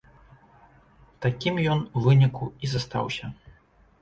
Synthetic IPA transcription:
t̪akʲimjɔnuvɨnʲikuizast̪a̰wsʲɐ

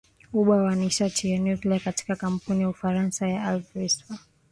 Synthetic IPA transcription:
uɓawaniʃatʰijanjukliakati̥kakam̩punijaufaɾansajaalfɾisfa

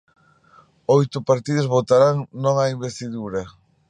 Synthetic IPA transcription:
ojt̪ʊpaɾt̪iðʊzβot̪aɾaŋnõŋaimbest̪iðuɾɐ

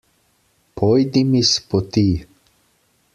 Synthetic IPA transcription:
pʰɔjd̪imispɔt̪iː

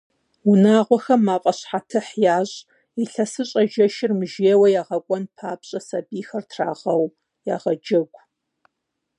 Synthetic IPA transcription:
ʊnaːʁʷɔxɐmːaːqʷʼɐɕħatʰɨħjaːʑʼ | iɬɐsɨɕʼɐʒɐʃɪrmɨʒeːwɐjaːʁɐkʷʼɔnpʰaːpɕʼɐsɐbiːxɐrtʰra̰ːʁɐw | jaːʁɐd͡ʒɐɡʷ

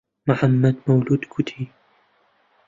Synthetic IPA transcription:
maħamːad̪mawluːd̪kʊt̪ʰi

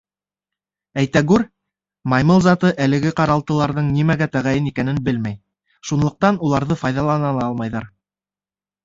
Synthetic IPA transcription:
æjt̪æɡʉɾ | mɑjmɤlˠzɑt̪ɤʔælɘ̆ɡɘqɑɾɑlˠt̪ɤ̆lˠɑɾðɤɴnimæɡæt̪æʁæjɘnikænɘnbɘlmæj | ʃunlˠɤ̆q̚t̪ɑnulˠɑɾðɤfɑjðɑlˠɑnɑnˠɑɑlˠmɑjðɑɾ

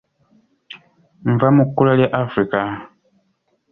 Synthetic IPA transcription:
ɱvamukulaljaʔafɾika

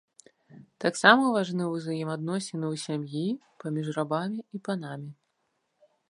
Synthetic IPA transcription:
t̪aksamɐvaʐnɨwuzajimad̪nɔsʲɪnɨwsʲamji | pamʲiʐrabamʲiipanamʲi

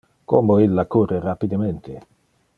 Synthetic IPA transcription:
komoilːakuːrerapid̪ament̪ʰe

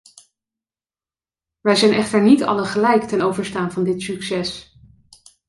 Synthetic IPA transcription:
ʋɛjzɛjnʔɛχtəɹnitɑ̰ləχəlɛjktɛnowvəɹstaːnvɑndɪtsyksɛs

